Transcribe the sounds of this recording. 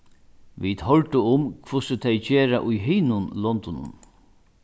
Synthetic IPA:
ʋid̪hɔlt̪ʊʊmkʰvʊsɪt̪ʰɛjt͡ɕeːɾa̰ʔʊjɦɪːnʊnlɔnt̪ʊnʊ̰n

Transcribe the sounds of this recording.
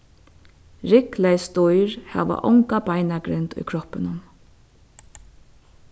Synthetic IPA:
ɾɪklajst̪ɔjɹhæ̰ːʋa̰ʔɔŋkabajnaɡɾɪnt̪ʊ̰jkʰɾɔhpɪnʊm

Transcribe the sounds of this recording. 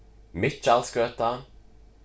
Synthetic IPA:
mɪt͡ʃːalskøːt̪a

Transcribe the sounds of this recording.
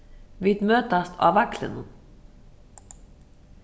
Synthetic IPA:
ʋid̪møːt̪ɑst̪ʰɑ̰ːʋɑklə̰nu

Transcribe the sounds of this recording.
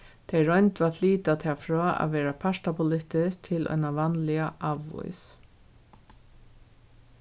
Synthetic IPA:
t̪ʰejɾɔjnt̪vaːt̪liːt̪at̪ʰaːfɾɔːa̰ʋɛːɾapʰaʂt̪apʰʊlɪht̪ɪsk̚t̪ʰɪlʔɔ̰jnaʋanlɪaʔaʋːʊ̰js

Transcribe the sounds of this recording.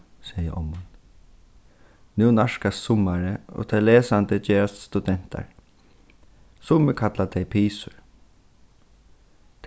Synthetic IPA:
sɛjə̰ʔɔ̰mːʊn | nʉnaʂkast̪sʊmaɾəo̰ːt̪ʰɛleːsant̪əd͡ʒeːɹast̪st̪ud̪ɛn̥t̪a̰ɹ | sʊməkʰat̪lat̪ʰɛjpʰiːsʊ̰ɹ | t̪ʰ

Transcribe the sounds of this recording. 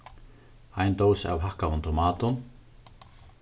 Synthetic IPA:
ajnt̪oːwsa̰wɦahkavunt̪ʰɔmaːt̪ʊn

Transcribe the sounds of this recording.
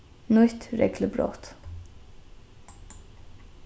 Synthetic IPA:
nʊʏt̪ɾɛ̰ɡləbɽo̰ːt̪

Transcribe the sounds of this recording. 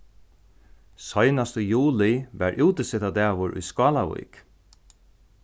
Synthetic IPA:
sɔjnast̪əjuːlɪʋæɹʔɪwt̪ɪsɪt̪ad̪ɛːʋʊɹʔʊ̰jskɑːlavṵjk

